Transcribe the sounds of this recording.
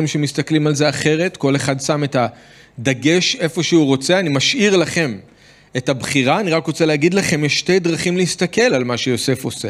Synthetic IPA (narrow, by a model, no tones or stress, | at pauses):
imʃemistaklimalzeaχe̞ʁe̞tko̞le̞χadsame̞ta | d̪aɡe̞ʃe̞fo̞ʃeuʁo̞t͡seanimaʃʔiʁlaχe̞m | etabχiʁaːniʁakʁo̞t͡seleːɡid̪laχe̞mjeʃte̞jdʁaχimleist̪ake̞lalmaʃejo̞se̞fose